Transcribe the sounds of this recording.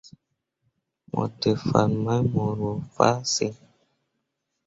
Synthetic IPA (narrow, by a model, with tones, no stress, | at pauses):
mʔɔ̰˨tə˨fa˨nma˦mo˨ɾo˨fa̰˦si˦